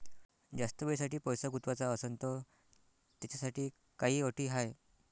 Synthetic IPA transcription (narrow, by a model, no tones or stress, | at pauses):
d͡zast̪əʋes̬aʈiːpɔjsəɡut̪ʋat͡saəsənt̪ɔ | t̪at͡ɕasaʈiː | kaɦiːəʈʰiːɦaj